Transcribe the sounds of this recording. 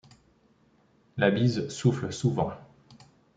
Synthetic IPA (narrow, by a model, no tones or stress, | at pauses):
labizsufləsuvɑ̰̃